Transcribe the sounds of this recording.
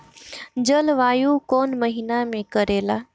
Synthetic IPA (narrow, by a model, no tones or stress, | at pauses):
d͡ʑəlʋaːjukoːnməɦinamẽkɐɾeːlaː